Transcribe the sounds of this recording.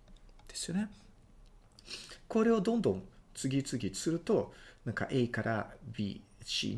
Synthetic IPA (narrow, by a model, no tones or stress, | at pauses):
d̪̥e̞sɨjo̞ne | ko̞ɾe̞o̞d̪õ̞nd̪õ̞nt͡sɨɡʲit͡sɨɡʲisɨɾɯ̟t̪o̞nãŋka̰ʔeikaɾʔabʲḭɕḭː